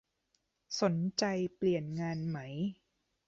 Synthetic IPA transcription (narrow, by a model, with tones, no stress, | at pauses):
so˩˦nt͡ɕa˧jpli˨˩ənŋaː˧nma˦˥j